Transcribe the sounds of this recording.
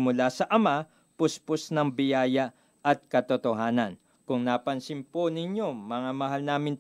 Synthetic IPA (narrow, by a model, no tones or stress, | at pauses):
mʊlasɐʔɐma | pʊsposnɐŋbɪjaːjɐ | ʔɐt̪̚kɐt̪ot̪oɦaːnɐn | kʊŋnaːpɐnsɪnponɪɲjomɐŋamɐɦalnaːmɪn